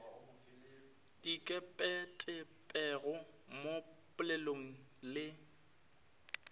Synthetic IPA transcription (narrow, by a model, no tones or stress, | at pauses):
d̥ikʼɛpʼɛtʼɪ | pʼɛɣʊ | mo | pʼʊleloŋ̩ | lɪ